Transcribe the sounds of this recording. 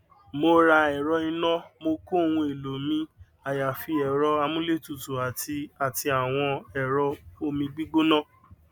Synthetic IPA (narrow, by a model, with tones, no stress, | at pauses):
mo˦ɾa˧ɛ˨ɾɔ˧ĩ˧nɔ̃˦mo˧ko˦o˨˧wũ˧e˨lo˨mĩ˧˦ | a˨ja˨fi˧ɛ˨ɾɔ˧a˧mũ˦le˦˨tu˨tu˨a˨ti˧a˨ti˧a˨w̃ɔ̃˧ɛ˨ɾɔ˧o˧˦mĩ˧ɡ͡bi˦ɡ͡bo˦nɔ̃˦˨